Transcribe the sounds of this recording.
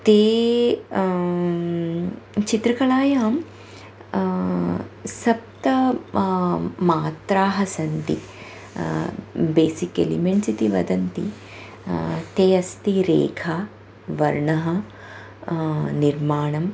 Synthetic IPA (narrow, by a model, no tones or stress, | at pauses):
t̪eː | t͡ʃit̪ɾɐkɐɭaːjaːm | sɐp̚t̪ɐ | maːt̪ɾaːɦɐsɐnt̪ḭ | beːsikḛlḭmeɳʈsit̪iʋɐ̰d̪ɐnt̪ḭ | t̪eːɐst̪iɾḛːkʰaː | ʋɐɾɳɐɦɐ | niɾmaːɳɐm